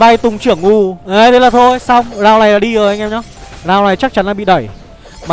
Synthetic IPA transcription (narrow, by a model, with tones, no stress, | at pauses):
va˧jt̪ʊ˨˩ŋ͡mt͡ɕɨ˧˩əŋʔu˧˩ʔə˨˧˩ɗe˨˦jlaː˨˩t̪ʰo˧jsa˧wŋ͡mzaː˨˩wna˨˩jlaː˧˥ɗi˧əː˨˩˦ʔŋʔɛ˧mɲɔ˧˦ | zaː˨˩wna˨˩jt͡ɕa˦˥k̚t͡ɕa˨˦nlaː˨˩ɓḭ˧˨ɗə˧˩j | maː˨